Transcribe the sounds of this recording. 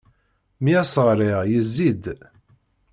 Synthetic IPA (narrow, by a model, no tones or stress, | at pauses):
miæsəʁɾiʁjəzːid̪